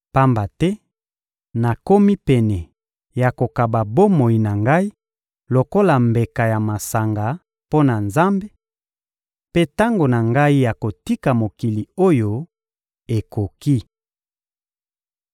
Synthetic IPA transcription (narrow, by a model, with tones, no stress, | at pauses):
pa˦mba˨tɛ˦ | na˨ko˦mi˦pɛ˨nɛ˨ | ja˨ko˨ka˨ba˨bo˦mo˨i˨na˨ŋɡa˦i˦ | lo˨ko˦la˨mbe˨ka˨ja˨ma˨sa˨ŋɡa˨ | po˦na˨nza˦mbe˦ | pe˦ta˦ŋɡo˨na˨ŋɡa˦i˦ja˨ko˨ti˦ka˨mo˨ki˨li˨o˦jo˦ | e˨ko˨ki˦